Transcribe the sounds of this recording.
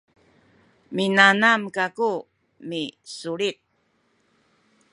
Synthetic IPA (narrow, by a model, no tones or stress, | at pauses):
minanamkaku | misuɭit̪̚